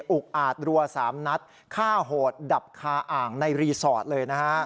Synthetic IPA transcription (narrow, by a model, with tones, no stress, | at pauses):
ʔu˨˩k̚ʔaː˨˩t̪̚ɾu˧ɐsaː˩˦mna˦˥t̪̚ | kʰaː˥˩ɦoː˨˩t̪̚da˨˩p̚kʰaː˧ʔaː˨˩ŋna˧jɾiː˧sɔː˨˩t̪̚lɤː˧jna˦˥kʰa˦˥ʔ